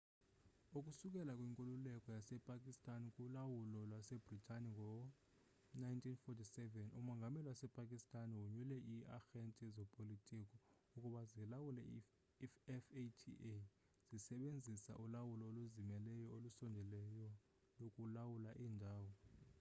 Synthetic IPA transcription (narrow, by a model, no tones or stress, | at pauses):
ukʼusuk̬ʼɛlakʼwiŋkʼululɛkʼɔjasɛpʼakʼistʼanikʼulawulɔlwasɛbritʼaniŋɡʱɔ | najntʰʼinfɔtʰʼisɛvɛnṵmɔŋɡʱamɛliwasɛpʼakʼistʼaniwuɲulɛʔiaxentʼizɔpʼolitʼik̬ʼɔ | ukʼuɓazilawulɛ̰ | ɛfetʰḭʔe | z̥isɛɓend͡zʱisa̰ʔulawulɔoluzimɛlɛjɔolusɔndʱɛlɛjɔ | lokʼulawulaʔiːndʱaːwɔ